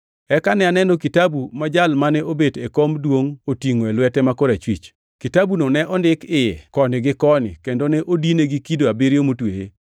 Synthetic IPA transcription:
ɛkanɛanɛnokitabumad͡ʒalmanɛʔobedekomdwoŋotiŋoelwɛtɛmakoɾat͡ʃwit͡ʃ | kitabunonɛʔɔndɪkɪjɛkɔnɪɡɪkɔnɪ̰kendonɛʔodineɡikidoabiɾjomutweje

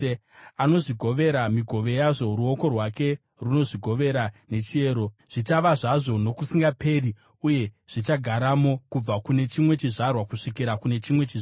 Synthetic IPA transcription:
ano̞ʐiɡʱo̞ʋe̞ɾamiɡʱo̞ʋe̞jaʐo̞ɾuo̞ko̞rwake̞ | runo̞ʐiɡʱo̞ʋe̞ɾane̞t͡ʃie̞ːɾo̞ʐ̥it͡ʃaʋaʐaʐo̞no̞kusiŋɡape̞ri | uje̞ʐ̥it͡ʃaɡʱaɾamo̞kub͡vakune̞t͡ʃimwe̞t͡ʃiʐarwakuʂikiɾakune̞t͡ʃimwe̞t͡ʃiʐa

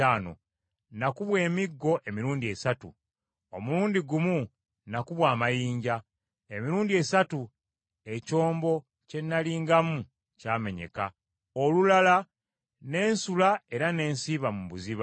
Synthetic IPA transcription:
aːno̞̰ | nakuβwe̞ːmiɡːo̞ʔe̞miɾuːndie̞satṵ | o̞muluːndiɡumu | nakuβwaːmajiːɲɟa | emiɾuːndie̞satu | e̞co̞ːmbo̞ | ce̞nːaliːŋɡamu | caːme̞ɲe̞̰ka | olulala | ne̞ːnsulae̞ɾane̞ːnsiːβamuβuziβ

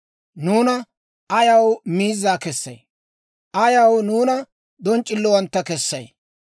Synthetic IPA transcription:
nuːnɐ | ʔɐjɐwmiːzːaːkɛsːɐ̰j | ʔɐjɐwnuːnɐ | d̪ɔnt͡ʃʼːɪlːɔwɐnt̪ːɐkɛsːɐ̰j

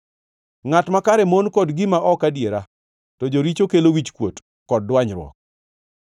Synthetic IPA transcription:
ŋatmakaɾɛmonkɔdɡɪmaʔɔkadjeɾa | tɔd͡ʒoɾit͡ʃokelowit͡ʃkwot | kɔd̚ːwaɲɾwɔ̰k̚

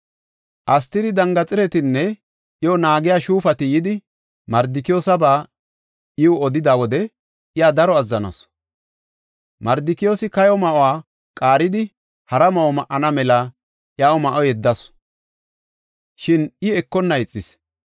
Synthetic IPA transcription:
ʔɐst̪ɪd̪ɪd̪ɐŋɡɐt͡sʼɪɾɛt̪ɪnːɛ | ʔɪjɔnaːɡɪjaʃuːfɐt̪ɪjɪd̪ɪ | mɐɾd̪ɪkɪjoːsɐbaː | ʔɪwʊɔd̪ɪd̪awɔd̪ɛ | ʔɪjaːd̪ɐɾɔɐzːɐnɐ̰s | mɐɾd̪ɪkɪjo̞ːsɪkɐjɔmɐʔwaː | kʼaːɾɪd̪ɪ | hɐɾɐmɐʔɔmɐʔːɐnɐmɛlɐ | ʔjaːɔmɐʔɔjɛd̪ːɐs | ʃɪnɪɛkːɔnːɐɪt͡sʼːɪs

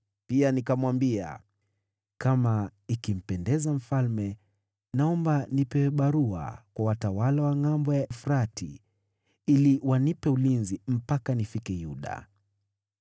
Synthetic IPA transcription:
pianikamwambia̰ | kamaikim̩pɛndɛzam̩falmɛ | naɔmbanipɛɓaɾua̰kwawatawalawaŋambɔjaɛfɾatʰi | iliwanipɛulinzim̩pakanifikɛjuɗa̰

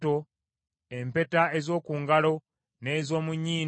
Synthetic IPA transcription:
to̞ | e̞mpe̞taezo̞ːkuːŋɡalo̞ | ne̞ːzo̞ːmuɲːiː

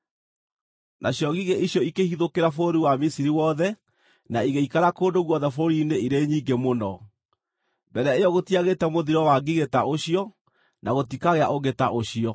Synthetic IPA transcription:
nʔaɕjɔɣiɣeʔiɕjɔikehiðokeɾafoɾiwamisiɾiwɔðɛ | naiɣeikaɾakoːndoɣwɔðɛfoɾineiɾeɲiɡemonɔ | bɛɾɛaejɔɣotiaɣetɛmoðiɾɔwaɡiɣetaʔoɕijɔ | naɣotikaɣeaʔoɣetaʔoɕijɔ

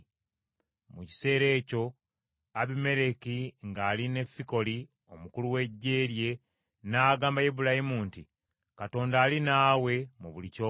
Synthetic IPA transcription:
muci̥se̞ːɾe̞ːco̞ | aβime̞ɾe̞kiŋɡaːline̞fːiko̞li | o̞mukuluwe̞ɟːe̞ːɾje̞ | naːɡaːmbajeβulahimuːnti | kato̞ːndaːlinaːwe̞muβulicoː

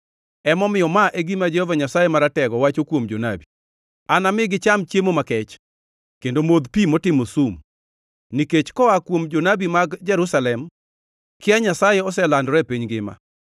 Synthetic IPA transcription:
ɛmɔmɪjɔmaʔeɡimad͡ʒɛhɔvaɲasajemaɾatɛɡɔwat͡ʃokwomd͡ʒonabi | anamɪɡɪt͡ʃamt͡ʃjemomakɛt͡ʃ | kendomod̪pimɔtɪmosum | niket͡ʃkɔakwomd͡ʒonabimaɡd͡ʒɛɾusalɛm | kɪaɲasajeɔsɛlandɔɾɛpeɲɡɪma̰

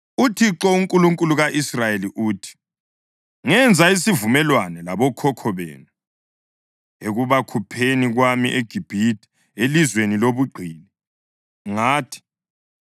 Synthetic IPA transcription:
utʰiǁɔuŋkʼuluŋkʼuluɣaʔisrajeliʔuːtʰi̥ | ŋɛnd͡zʱais̬ivumɛlwanɛlaβɔkʰɔkʰɔβḛːnu | eɣuβakʰupʰeniɣwamiʔeɡ̥ʱib̥ʱitʰʼi̥ | elizweniloβuɡ͡ǃʱiːni | ŋaːtʰi̥

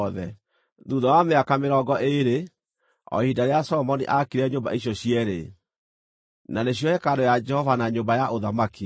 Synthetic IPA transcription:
ðɛ | ðuðɔwameakameɾɔɡɔʔeɾe | ɔ̰hiːdaɾeasɔɔmɔniʔakiɾɛɲoːmba̰iɕjɔɕiɛɾḛ | naneɕ̬jɔhɛkaɾojad͡ʒɛhɔvanaɲoːmbajaʔoðamaki

